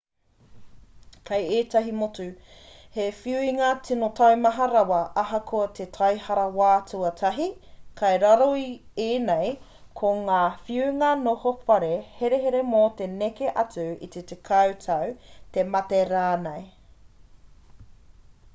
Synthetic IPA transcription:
kʰɐjeːtɐɦimot͡sʉ | hefiuiŋat͡sʰinotʰɐwmɐɦɐɾɐwɐʔɐɦɐkʰoɐt̪ʰetʰɐjhɐɾɐwaːt͡suɐtʰɐɦikʰɐjɾɐɾoieːnej | kʰoŋaːfiuŋɐnohofɐɾeheɾeɦeɾe̞mot̪e̞nekeʔɐt͡sʉḭt̪etekʰɐwtʰɐwt̪e̞mɐteɾaːnej

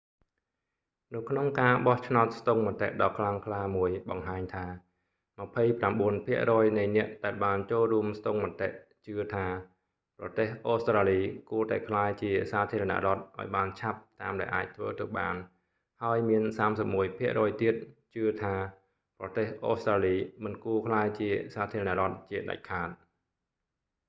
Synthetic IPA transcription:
nɨwkʰnoŋkaːɓɑht͡ɕʰnaɔt̪̚st̪oŋmɔ̆ət̪ːḛʔɗɑːkʰlaŋkʰlaːmuəjɓɑŋɦaːɲt̪ʰaː | mə̆pʰəjpramɓuənpʰiəʔrɔːjnɨjnɛ̆əʔɗaɛlɓaːnt͡ɕoːlruəmst̪oŋmɔt̪eʔt͡ɕɨət̪ʰaː | prɑt̪eːhʔoːst̪raːliːkuət̪aɛkʰlaːjt͡ɕiəsaːt̪ʰiəɾɑna̰ʔrŏət̪̚ʔa̰ɔjɓaːnt͡ɕʰap̚t̪aːmɗaɛlʔa̰ːc̚t̪ʰʋə̰ːt̪ɨɓa̰ːn | haəjmiənsaːmsəp̚muəjpʰiəʔrɔːjt̪iət̪̚t͡ɕɨət̪ʰaː | prɑt̪eːhʔoːst̪raːliːmɨnkuəkʰlaːjt͡ɕiəsaːt̪ʰiəɾɑna̰ʔrŏət̪̚t͡ɕiəɗa̰c̚kʰaːt̪̚

